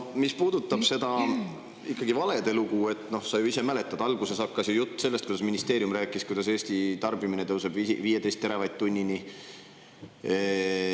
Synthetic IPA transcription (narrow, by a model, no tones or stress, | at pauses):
omispuːd̪̥ut̪ːˑɑb̥se̞d̪̥ɑ | ikːˑɑɡ̥ivɑle̞d̪e̞luɡue̞t̪ːˑno̞hsɑjuise̞mæle̞t̪ːˑɑd̪̥ɑlɡ̥use̞sɑkːɑsjujut̪ːˑse̞lːest̪kujd̪ɑsminist̪e̞ːɾjumræːkːˑiskujd̪ɑs̬e̞ːst̪it̪ɑrbiminet̪ɤwse̞b̥iviːje̞t̪e̞jst̪ːeɾevɑjd̪̚t̪ːunʲːini